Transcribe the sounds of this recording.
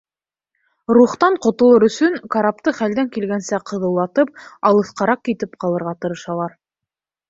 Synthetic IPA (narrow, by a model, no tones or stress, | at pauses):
ruχt̪ɑɴqŏt̪ŏlˠɤɾɵ̆sɵŋkaɾap̚t̪ɤχæld̪æŋkilɡænsæqɤ̆ðɤ̆wlˠɑt̪ɤp̚ɑlˠɤ̆θqɑɾɑq̚kit̪ɘp̚qɑlˠɤ̆ɾʁɑt̪ɤ̆ɾɤ̆ʃɑlˠɑɾ